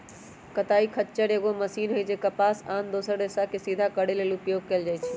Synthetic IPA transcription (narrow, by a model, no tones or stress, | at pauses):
kət̪aikʰətːt͡ʃəɾeɡoməsinɦojd͡ʒekəpasand̪osəɾɖesakesid̪ʱakəɽelelupjoɡ̚keld͡ʒajt͡ʃʰɛ